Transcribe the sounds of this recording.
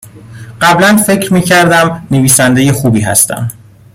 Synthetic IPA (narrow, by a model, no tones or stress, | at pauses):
ɢ̥æblænfe̞cʰɾmiːcʰæɾd̪æmneviːsænd̪e̞je̞xuːbiːɦæ̰st̪æ̰m